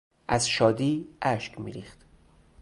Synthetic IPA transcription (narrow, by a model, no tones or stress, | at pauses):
ʔæzʃɒːd̪iːʔæʃkmḭːɾiːχt̪